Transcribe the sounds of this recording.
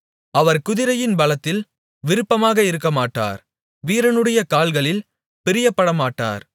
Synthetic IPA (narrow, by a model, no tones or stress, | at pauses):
ɐʋɐɾkʊðɪɾɐjɪnbɐlɐt̪ːɪl | ʋɪɾɯpːɐmaːɣɐɪɾɯkːɐmaːʈːa̰ːɾ | ʋiːɾɐnɯɽɐjɐkaːlɣɐɭɪl | pɪɾɪjɐpːɐɽɐmaːʈːa̰ːɾ